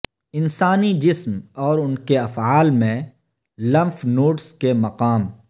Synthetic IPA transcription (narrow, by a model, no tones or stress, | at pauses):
ɪnsaːnid͡ʒɪsmɔːɾʊnkeɐfaːlmẽ | lɐ̃mfnoːʈskemɐqaːm